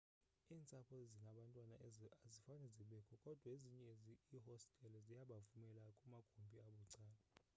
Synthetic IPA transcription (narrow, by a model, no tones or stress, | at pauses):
iːnt͡sʼapʰɔzinaɓantʼwanazifanɛziɓɛkʰɔkʼɔd̥ʱwaeziɲɛzihɔstʼɛlɛzijaɓavumɛlakʼumaɡ̥ʱumbʱiaɓuǀaːla